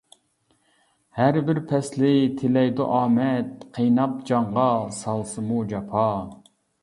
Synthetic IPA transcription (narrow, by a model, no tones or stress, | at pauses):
hæɾbɪɾpʰɛslɪt̪ʰɪlɛjd̪uʔɑːmɛt̪̚qʰejnɑp̚d͡ʒɑɴʁɑsɑlˠsɨmud͡ʒɑpʰɑ